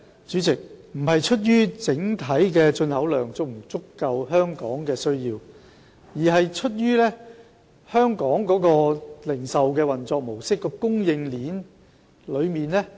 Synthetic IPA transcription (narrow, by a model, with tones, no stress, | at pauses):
t͡ʃyː˨˥t͡sɪ˨k̚m̩˨˩ɦɐ˨jt͡ʃʰɵ˥t̬̚jɥyː˥t͡sɪ˨˥ŋt̪ʰɐ˨˥jkɛː˧t͡ʃɵ˧nhɐ˨˥wlœː˨˩ŋt͡sʊ˨˥m̩˨˩t͡sʊ˥kːɐ˧wɦœː˥ŋkɔ̰ː˨˥ŋkɛː˧sɵ˥ɥjiː˧w | jiː˨˩ɦɐ˨jt͡ʃʰɵ˥t̚jyː˥lɛː˥ | hœː˥ŋkɔː˨˥ŋkɔː˨˥kɔː˧lɪ˨˩ŋsɐ˨wkɛː˧wɐ˨nt͡sɔː˧k̚mo˨˩wsɪ˥kːɔː˧kʊ˥ŋjɪ˧ŋliː˨˥n | lɵ˨˧ɥmiː˨nlɛ˥